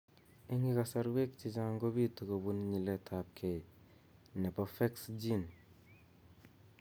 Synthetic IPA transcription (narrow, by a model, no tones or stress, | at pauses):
eŋikasɐɾwek̚t͡ʃid͡ʒaŋɡobitukɐbunɲiletʰap̚kʰej | nepɐfeksd͡ʒin